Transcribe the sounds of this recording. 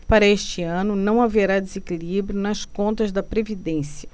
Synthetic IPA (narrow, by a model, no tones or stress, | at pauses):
paɾɐeʃt͡ʃɪɐ̃nʊnɐ̃w̃aveɾad̪ezekilibɾjʊnɐskõnt̪ɐzd̪ɐpɾevid̪ẽsjɐ